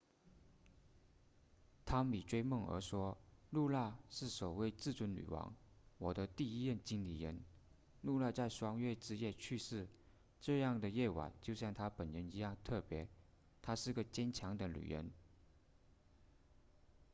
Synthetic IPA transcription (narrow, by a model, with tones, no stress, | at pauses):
t̪ʰa˥mi˨˩ʈ͡ʂwe˥ɪmɤ˥˩ŋə̰˧˥ʂwɔ˥lu˥˧la˥˧ʂɻ̩˥˩sɔ˨˩we˥˧ɪt͡sɹ̩˥˩t͡swə˧˥nly̰˨˩wɑ̰˧˥ŋwɔ˨˩d̪ə˦t̪i˥˧i˥jə˥˩nt͡ɕi˥ŋli˨˩ɻə˧˥n | lu˥˧la˥˧t͡sa˥˩ɪʂwɑ˥ŋɥɛ˥˧˩ʈ͡ʂɻ̩˥jɛ˥˧t͡ɕʰy˥˧ʂɻ̩˥˩ | ʈ͡ʂɤ˥˧jɑ˥˩ŋd̪ə˩jɛ˥˩wa̰˨˩˦t͡ɕjo˥˧ʊɕjɑ˥˩ŋt̪ʰa˥pə˨˩nɻə˧˥ni˧˥jɑ˥˧ŋt̪ʰɤ˥˩pjɛ˧˥ | t̪ʰa˥ʂɻ̩˥˩ɡə˩t͡ɕjɛ˥nt͡ɕʰjɑ˧˥ŋd̪ə˧ly̰˨˩ɻə̰˧˥n